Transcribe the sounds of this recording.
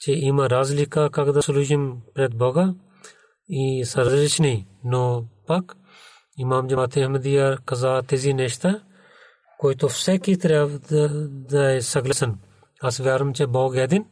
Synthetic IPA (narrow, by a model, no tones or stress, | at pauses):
t͡ʃeiːmɐɾaːzlikaːkɐkd̪ɐsluːʒɐnpɾet̪̚boːɡa | isɐɾɐzlit͡ʃʰninoːpɐk | imaːmd͡ʒɐat̪ʰeɦmɐd̪ijaːɾkɐzaːt̪eziːneʃt̪ɐ | koːit̪ofsekit̪ɾa | d̪asɐɡlɐsɐn | ɐsʋjaːɾɐmt͡ʃeboːɡɛːd̪in